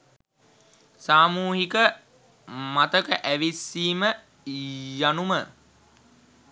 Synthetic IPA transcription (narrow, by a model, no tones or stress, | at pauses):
saːmuːɦikə | mat̪əkəʔæʋisːiːmə | janumə